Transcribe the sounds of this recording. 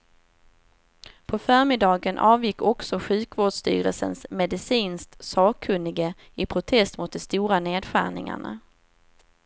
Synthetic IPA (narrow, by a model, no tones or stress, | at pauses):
pʰɔfœːɾmɪd̪ɑːɡənʔɑːvjɪkːɔksɔɧʉ̟ːkvoːɖʂt̪y̰ːɾə̰lsə̰nsmɛd̪ɪsiːnsk̚t̪sɑːkʰːɵnːɪɡə | ɪpʰɾʊt̪ʰɛst̪mʊt̪̚d̪ɛst̪uːɾaneːd̪ɧæ̰ːɳɪ̰ŋa̰ɳa̰